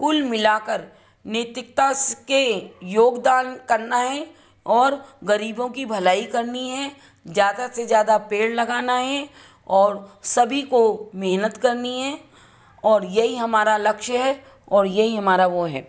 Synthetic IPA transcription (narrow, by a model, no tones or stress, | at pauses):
kʊlmɪlaːkəɾ | neːt̪ɪk̚t̪askejoːɡd̪aːnkɐɾnaɦɛ | ɔːɾɡɐɾiːbõkibʱɐlaːikɐɾniɦɛ | zjaːd̪asezjaːd̪apeːɽlɐɡaːnaɦɛ | ɔːɾsɐbʱikomeɦnət̪kɐɾniɦɛː | ɔːɾjɐɦiɦɐmaːɾalɐkʃəɦɛ | ɔːɾjɐɦiɦɐmaːɾaʋoɦɛ̰ː